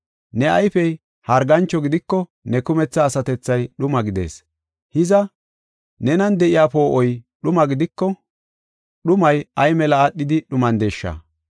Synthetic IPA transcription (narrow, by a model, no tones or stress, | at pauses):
nɛɐjfɛj | hɐɾɡɐnt͡ʃːɔɡɪd̪ɪkːɔ | nɛkʊmɛt͡sːɐːsɐt̪ɛt͡sːɐjɗʊmɐɡɪd̪e̞̰ːs | hɪzɐ | nɛnɐnd̪ɛʔɪjaːpo̞ːʔɔjɗʊmɐɡɪd̪ɪkːɔ | ɗʊmɐjɐjmɛlɐːɗːɪd̪ɪɗʊmɐnd̪eʃːɐ̰